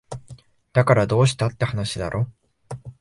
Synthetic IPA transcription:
d̪̥akaɾad̪o̞ːɕi̥t̪at̪ːe̞hanaɕid̪a̰ɾʔo̞ː

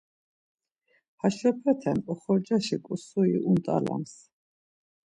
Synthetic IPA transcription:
haʃɔpʰɛt̪ʰɛnɔχɔɾd͡ʒaʃikʼusuiʔunt̪ʼa̰la̰ms

